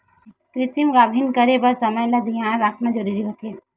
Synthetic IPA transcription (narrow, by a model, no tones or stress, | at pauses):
kɾɪt̪imɡabʱinkəɾebəɾsɐməjlad̪ijãɾakʰnad͡ʒəɾuɾiɦot̪e